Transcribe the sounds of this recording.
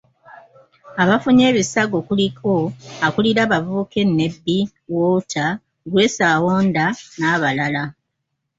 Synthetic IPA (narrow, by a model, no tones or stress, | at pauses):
aβafuɲe̞ːβisaɡo̞kulikʰo̞akuliɾaβavuːke̞nːe̞bːi | woːtʰa | ɡule̞saːwoːndanaːβalala